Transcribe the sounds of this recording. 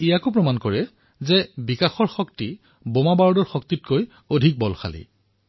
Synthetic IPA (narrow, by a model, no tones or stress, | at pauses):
ijakʊp̬ɹɔmankɔɹɛ | zɛbikaxɔɹxɔkti | bomabaɹdɔɹxɔktit̚koj | odʱik̚bɔlxʰa̰lḭ